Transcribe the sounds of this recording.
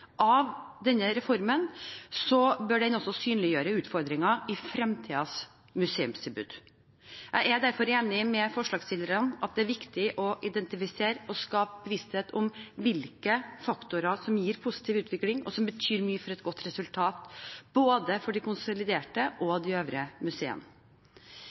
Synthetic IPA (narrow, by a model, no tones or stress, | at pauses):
ʔɑʋd̪ɛnːəɾɛfɔɾmənsɔbœɖɛnɔsːɔsyːnlɪjøːɾəʉːt̪fɔɾd̪ɾɪŋɑɪfɾɛmt̪ʰiːɑs | mʉseːʉmsd̪ɛbʉ̰ːd̪̥ | jʔæɪæd̪æɾfɔɾeːnɪmɛfɔʂɭɑːɡsɪld̪əɾənɑt̪̚d̪ɛæɾʋɪkt̪ɪʔɔʔɪd̪ɛnt̪ɪfɪseːɾɔskɑːpəbəʋɪst̪heːt̪ʰɔmʋɪlkəfɑkt̪ʊɾɑʂɔmjiːɾpʰusɪ̥t̪ʰiːʋʉːt̪ʰʋɪklɪŋɔ̰sɔmbət̪ʰyːɾmyːəfɔɾɛt̪ɡɔt̪ːɾɛsʉlt̪ʰɑːt̪b̥oːd̪əfɔɖɪkʊnsʊlɪd̪eːʈəʔɔd̪ɪøːʋɾəmʉseːə̰n